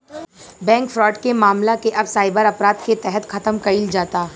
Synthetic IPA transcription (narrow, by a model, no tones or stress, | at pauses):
bɛ̃ːŋkfɾɔːʈkemaːmlakeʔɐbsaːɪbəɾɐpɾaːd̪ket̪ɛɦət̪xɐt̪əmkɐild͡ʒaːt̪aː